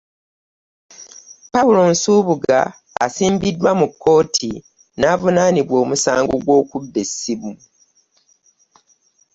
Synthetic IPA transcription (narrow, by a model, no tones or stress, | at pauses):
paulo̞nsuːβuɡa̰ː | siːmbidːwamukʰːo̞ːtʰi | naːvunaːniβwo̞ːmusaːŋɡo̞̰ɡwo̞ːkubːesiβu